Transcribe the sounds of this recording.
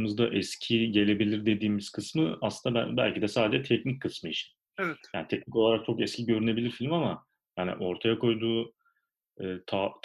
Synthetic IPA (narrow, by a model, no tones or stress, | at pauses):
mɯzd̪aʔɛscʰiɟe̞lʲe̞bilʲiɾd̪e̞d̪iːmiz̥kʰɯsmɯa̰slˠɯnd̪abæbæ̰lʲcid̪ɛsaːd̪ed͡ʒɛt̪ʰɛcnic̚kʰːɯsmɯit͡ʃʰi̥n | jaːnit̪ʰɛc̚nicolˠaɾak̚t͡ʃʰo̞kɛscʰiɟiøɾynebilʲiɾfilʲmama | jaːnḭʔo̞ɾt̪ʰajakʰo̞jd̪uː | ɯːt̪ʰat̪ʰ